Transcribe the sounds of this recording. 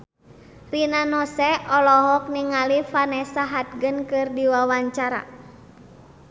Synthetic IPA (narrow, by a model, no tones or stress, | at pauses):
rinanɔsɛɔlɔɦɔk̚niŋalifanɛsaɦat̪̚ɡɨnkɨrdiwawaɲt͡ʃaɾa̰